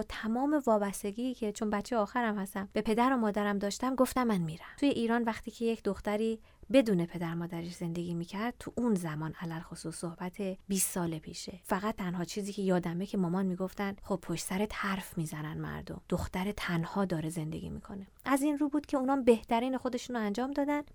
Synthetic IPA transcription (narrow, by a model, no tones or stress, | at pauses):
t̪ʰæmɒːme̞vɒːbæst̪e̞ɡiːcʰe̞t͡ʃʰo̞nbætt͡ʃʰejɒːxæɾæmhæst̪æmb̥e̞pʰe̞d̪æɾo̞mɒːd̪æɾæmd̪ɒːʃt̪æmɡo̞ft̪æmːænmiːɾæt̪ʰuje̞ʔiːɾɒːnvæxt̪ʰiːcʰe̞jecʰd̪oxt̪æɾiː | be̞d̪uːne̞pʰe̞d̪æɾmɒːd̪æɾeʃz̥e̞nd̪e̞ɡʲiːmiːcʰæɾd̪̥̚t̪ʰuʔunzæmɒːnʔælælxosusːohbæt̪ʰe̞biːsːɒːlepʰiːʃefæɣæt̪̚t̪ʰːænhɒːt͡ʃʰiːziːcʰe̞jɒːd̪æme̞cʰe̞mɒːmɒnmiːɡo̞ft̪ænχob̚pʰːoʃtsæɾet̪hæɾfmiːzænænmæ̰ɾd̪o̞̰md̪oxt̪æɾet̪ʰænhɒːd̪ɒːɾe̞ze̞nd̪eɡʲḭːmḭkʰo̞ne̞ʔæzinɾuːbuːd̪̥cʰe̞uːnɒːmbe̞ht̪ʰæɾiːne̞xo̞d̪e̞ʃunoænd͡ʒɒːmd̪ɒːd̪æn